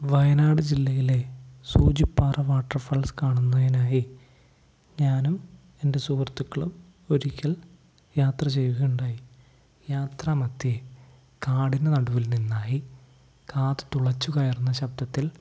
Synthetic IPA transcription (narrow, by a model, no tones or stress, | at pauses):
ʋɐjɐnaːɽɨd͡ʑilːɐjilesuːd͡ʑipːaːrɐʋaːʈːɐrfɐɭskaːɳunːɐðinaːji | ɲaːnum | e̞nde̞suːrt̪ːukːɐɭum | o̞ɾikʲːɐɭ | jaːt̪rɐt͡ɕe̞juɣeuɳɖaːji | jaːt̪rɐmɐt̪ːie | kaːɽinenɐɽuʋilninːaːji | kaːt̪ɨ̥t̪uɭɐt͡ɕːukɐjɐrunːɐɕɐb̚d̪ɐt̪ːil